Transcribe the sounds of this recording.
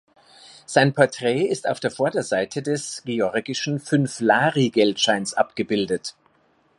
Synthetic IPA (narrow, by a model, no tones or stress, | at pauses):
z̥aɪnpʰɔɐtʁ̥ɛːɪstaʊfd̥eːɐfɔɐdɐzaɪtʰədɛsɡ̥eɔɐɡɪʃn̩fʏnflaːʁiɡɛltʃaɪnsʔa̰pɡ̥əbɪldət